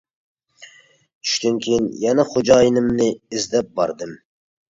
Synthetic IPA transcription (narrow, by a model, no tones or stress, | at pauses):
t͡ʃʰy̥ʃt̪ɪnkʲʰejinjɛnɛχʊd͡ʒɑːjɪnɪmnɪɪzd̪ɛp̚bɑ̰ɾd̪ɨm